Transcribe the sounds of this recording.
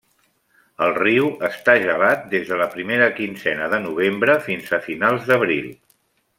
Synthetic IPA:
əlˠriwəst̪aʒəlat̪̚d̪ezðələpɾimeɾəkinzɛnəðənuβ̞embɾəfinzəfinalˠzðəβɾilˠ

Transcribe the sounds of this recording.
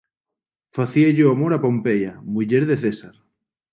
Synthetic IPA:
faθieʝoamoɾapompejamuʎeɾðeθesaɾ

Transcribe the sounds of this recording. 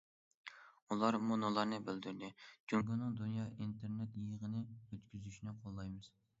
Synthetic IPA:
ulˠɑɾmunolˠɑɾnɨbɪld̪yɾd̪ɪd͡ʒuŋɡʲunɨŋd̪unjɑːʔint̪ʰeɾnɛt̪jəʁənɪøt̪kʲyzyʃinɪqʰolˠːɑjmɨz̥

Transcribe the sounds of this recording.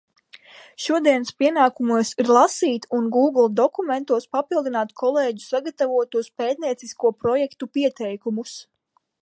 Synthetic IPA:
ʃuɔd̪iɛnspiɛnaːkumuɔsiɾlˠasiːt̪unɡuːɡlˠd̪ɔkumɛnt̪uɔspapilˠd̪inaːt̪kʰɔlˠeːɟu̥saɡat̪avuɔt̪uɔspeːt̪̚niɛt̪siskuɔpɾɔjɛkt̪upiɛt̪ɛjkumus

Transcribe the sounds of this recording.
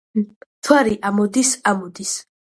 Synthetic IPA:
t̪ʰwaɾiʔamɔd̪isamɔd̪is

